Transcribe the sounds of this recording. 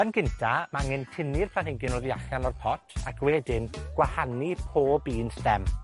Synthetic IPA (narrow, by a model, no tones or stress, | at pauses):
ənɡɪntʰamaŋɛntʰɪnɪrpʰanhɪŋɡɪnɔðjaɬanɔrpʰɔtʰakʰwɛdɪnɡ̥wahanipʰoːbiːnsdɛm